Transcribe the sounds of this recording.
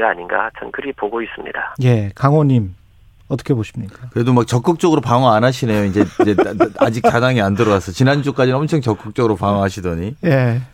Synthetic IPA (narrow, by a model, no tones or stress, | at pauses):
ɡaːɲinɡa̰t͡ɕʰʌnkʰɯɾipoɡois͈ɯmɲḭdaje̞kaŋwʌɲim | ʌt͈ʌkʰeboɕʰimɲik͈akɯɾe̞domak̚t͡ɕʌk͈ɯk̚t͡ɕ͈ʌɡɯɾopaŋʌanɦaɕʰinejoind͡ʑe̞d͡ʑe̞ad͡ʑik̚t͡ɕadaŋiandɯɾʌwasʰʌt͡ɕinand͡ʑuk͈ad͡ʑinɯnʌmt͡ɕʰʌŋt͡ɕʌk͈ɯk̚t͡ɕ͈ʌɡɯɾopaŋʌɦaɕʰidʌɲije